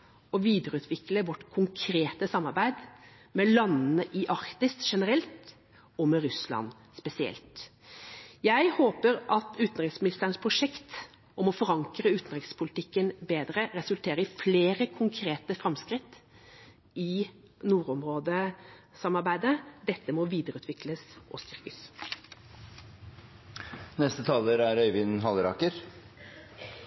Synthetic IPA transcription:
ɔʋiːd̪əɾəʉːt̪ʰʋɪkləʋɔʈːkʰʊŋkʰɾeːt̪əsɑmːɑɾbæɪd̪ | mɛlɑnːnəʔɪʔɑɾkt̪ɪst̪ʂɛnəɾɛlt̪ | ɔmɛɾʉslɑ̰n | spɛsɪɛ̰lt̪ | jæɪhoːpəɾʔɑt̪ʉːt̪n̩ɾɪŋsmɪnɪst̪əɾənspʰɾʊʂɛkt̪ | ʔɔmɔfɔɾɑŋkɾəʉːt̪n̩ɾɪkspʰʊlɪt̪ʰɪkːənbeːd̪ɾəɾɛsʉlt̪ʰeːɾəfleːɾəkʰʊŋkʰɾeːt̪əfɾɑmskɾɪt̪ː | ɪ | nuːɾɔmɾoːd̪ə | sɑmːɑɾbæɪd̪əd̪ɛt̪ːəmɔʋiːd̪əɾʉːt̪ʋɪkləsʔɔst̪ʏʁkəs | nɛst̪ət̪ʰɑːləɾæɾœʏʋɪnɦɑlɾɑ̰ːkəɾ

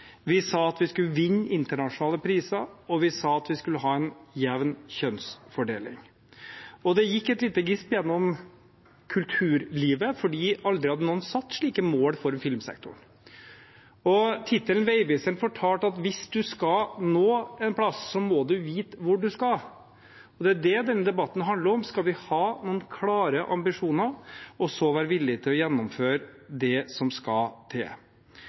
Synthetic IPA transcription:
ʋɪsɑːɑt̪ʋɪskʉləʋɪnːɪnt̪əɳɑʂʊnɑːləpʰɾiːsəɾɔʋɪsɑːɑt̪ʋɪskʉlːəɦɑːɛnjɛʋnçœnsfɔɖḛːlɪ̰ŋ | ɔd̪ɛjɪkːɛt̪liːt̪əɡɪspjɛnːɔm | kʰʉlt̪ʰʉːɾliːʋəfɔɖiːʔɑld̪ɾɪhɑd̪ːənuːnsɑt̪ːʂɭiːkəmoːlfɔɾmfɪlmsɛ̰k̚t̪ʊ̰ɳ | ɔt̪ʰɪt̪ːəlnʋeɪʋɪsənfɔʈʰɑːlʈ̪ɑt̪ʋɪsd̪ʉskɑnoːɛnpʰlɑsːɔmɔd̪ʉʋiːt̪ʋʊɖʉskɑ | ɔd̪ɛæɖɛd̪ɛnːəd̪ɛbɑt̪ːn̩ɦɑnd̪ləɾɔmskɑlʋɪhɑːnuːənkʰlɑːɾəʔɑ̰mbɪʂuːnəɾɔsɔʋæːɾəʋɪlːɪt̪ʰɪlɔjɛnːɔmføːɾd̪ɛsɔmskɑlt̪ʰḛː

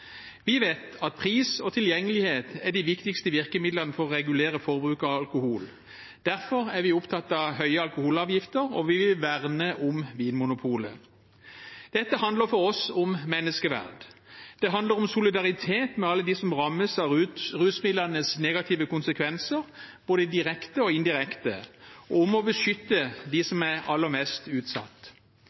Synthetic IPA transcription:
ʋɪʋeːt̪ɑt̪̚pʰʁiːsɔt̪ʰɪljɛŋːəlɪheːt̪æd̪ɪʋɪkt̪ɪkst̪əʋɪʁkəmɪd̪ləʁnəfɔʁɔʁɛɡʉleːʁəfɔʁbʁʉːkɑɑlkʊhuːl | d̪̥æʁfɔʁæʁʋɪʊpt̪ʰɑt̪ːɑʋhœʏəɑlkʊhuːlɑːʋjɪft̪əʁɔ̰ʋɪʋɪlʋæʁnəʔʊmʋiːnmʊnʊpʰuːlə̰ | d̪̥ɛt̪ːəhɑnd̪ləʁfɔʁɔsʊmmɛnːəskəʋæ̰ʁd̪d̪̥ɛɦɑnd̪əɾɔmsʊlɪd̪ɑʁɪt̪ʰeːt̪mɛɑlːəd̪ɪsɔmʁɑmːəsɑʁʉːsmɪd̪lənəsneːɡɑt̪ʰiːʋəkʊnsəkʰʋɛnsəʁb̥oːd̪əid̪ɪʁɛkt̪əɔɪnd̪ɪʁɛkt̪ə̰ɔʊmɔbəʂʏt̪ːəd̪ɪsɔmæɑlːəʁmɛst̪ʉːt̪sɑ̰t̪ː

